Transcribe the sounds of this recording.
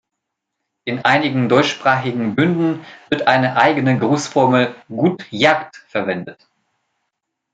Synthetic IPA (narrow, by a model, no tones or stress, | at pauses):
ʔɪnʔaɪnɪɡŋ̩dɔʏtʃpʁ̥aːχɪɡŋ̩bʏndn̩v̥ɪɐtʔaɪnəʔaɪɡənəɡʁoːsfɔɐməlɡuːtjaːktfɛɐvɛndət